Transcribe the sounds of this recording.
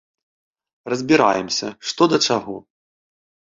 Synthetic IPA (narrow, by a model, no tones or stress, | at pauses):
rɐzʲbʲiɾa̰jɛmsʲɐ̰ʂt̪ɔd̪ɐt͡ʂaɣɔ